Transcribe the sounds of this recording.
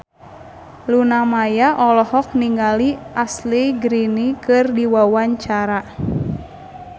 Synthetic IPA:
lunamajaʔɔlɔhɔk̚niŋɡaliasliɡɾinikɨrdiwawaɲt͡ʃaɾa

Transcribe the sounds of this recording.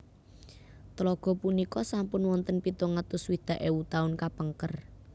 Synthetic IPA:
t̪əlɔɡ̥ɔ̤punikɔsampʊnwɔnt̪ənpit̪ɔŋət̪ʊswid̪̥ä̤ʔewut̪aʊnkapəŋkər

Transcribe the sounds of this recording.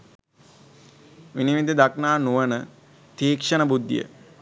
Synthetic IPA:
ʋiniʋid̪id̪aknaːnuʋənə | t̪iːkʂənəbud̪ːijə̰

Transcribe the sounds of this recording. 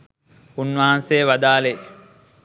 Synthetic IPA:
unʋaɦansejʋad̪aːle

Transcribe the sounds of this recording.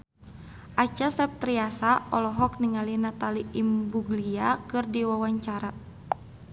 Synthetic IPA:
ʔat͡ʃasɛp̚t̪ɾiasaʔɔlɔɦɔk̚niŋalinat̪aliimbuɡliakɨrdiwawaɲt͡ʃaɾa

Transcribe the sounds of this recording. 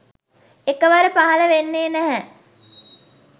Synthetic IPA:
ekəʋaɾəpaɦaləʋenːeːnæɦɛ

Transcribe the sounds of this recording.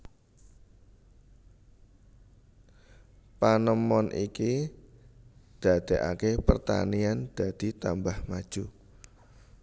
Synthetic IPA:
panəmɔnʔiki | d̪̥a̤d̪̥eʔa̰kepərt̪a̰niand̪̥a̤d̪̥i̤t̪ambahmad̥ʒ̥u

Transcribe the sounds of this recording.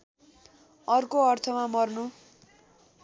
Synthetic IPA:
ʌrkoʌrt̪ʰʌmamʌrnu

